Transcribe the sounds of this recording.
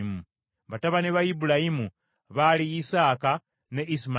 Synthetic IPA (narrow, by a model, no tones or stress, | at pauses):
mu | βataβaniβaibulajimu | βaliːsaːka | neʔisma